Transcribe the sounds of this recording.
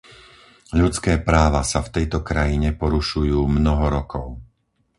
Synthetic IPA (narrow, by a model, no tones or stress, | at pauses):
ʎut͡skɛːpɾaːʋasaft̪ɛjt̪ɔkɾajiɲɛpɔɾuʃujuːmnɔɦɔɾɔkɔʊ